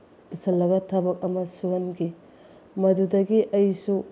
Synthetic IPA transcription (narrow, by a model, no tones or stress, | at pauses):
b̥isʰɐlːɐɡɐtʰɐbɐk̚ɐmɐsuɦɐnɡi | mɐdudɐɡiʔɐjsu